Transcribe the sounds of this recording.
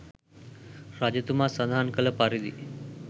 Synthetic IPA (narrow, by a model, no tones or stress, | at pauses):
ɾad͡ʒət̪umasəd̪ʱaːnkələpaɾid̪ḭ